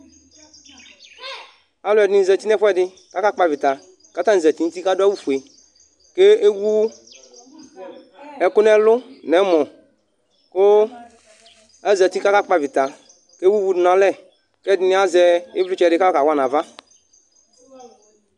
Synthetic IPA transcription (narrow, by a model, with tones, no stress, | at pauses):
a˦lʊ˦ɛ˨dɪ˨˦n˨zɛ˨ti˦nɛ˦ɸwɛ˦˨dɪ˦ | ka˦ka˦k͡pa˨vɪ˨ta˨ | ka˦ta˦n˨zɛ˨ti˨˦n̩˦ti˦ka˦da˦wu˦fu˨e˨ | ke˦e˦wu˦ | ɛ˨kʊ˦nɛ˦lʊ˦nɛ˨˦mɔ˨ | kʊ˦ | ɛ˦zɛ˨ti˦ka˦ka˦k͡pa˦˨vɪ˨t̪a˨ | ke˦wu˦wu˦dnã˨˦lɛ˦˨ | kɛ˦˨dɪ˦nɪ˦a˦zɛ˨ɪ˦vlʊ˦t͡ʃɛ˨dɪ˦ka˦ɔ˦ka˨wa˦˨nã˨va˦